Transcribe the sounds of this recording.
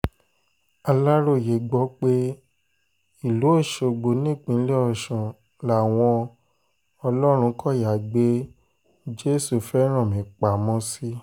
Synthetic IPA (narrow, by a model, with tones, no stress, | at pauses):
a˧la˦ɾo˦˨je˨ɡ͡bɔ˨˦k͡pe˦ | i˨lo˨˦o˦˨ʃo˧˨ɡ͡bo˨nĩ˦˨k͡pĩ˨˧˨lɛ˦ɔ˧˨ʃũ˨ | la˨w̃ɔ̃˧ | ɔ˧lɔ˦ɾ̃ũ˧˦kɔ˦˨ja˨ɡ͡be˦ | d͡ʒe˦su˦˨fɛ˦ɾ̃ã˦˨mĩ˨k͡pa˨mɔ̃˧˦si˦